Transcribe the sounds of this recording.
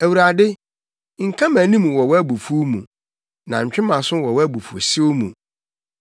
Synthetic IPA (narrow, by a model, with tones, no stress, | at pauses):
æ˨wu˨ɾa˨dɪ˦ | ŋ̩˨kʰã˦mæ̃˨nĩ˦mũ˨wɔ˨wɔ˦æ˦bu˨fu˦mṵ̃˨ | nã˨ɲ̩˨t͡ɕᶣɪ̃˦mã˨sʊ̃˦wɔ˨wɔ˦æ˦bu˨fu˨sɪ˦o˦mṵ̃˨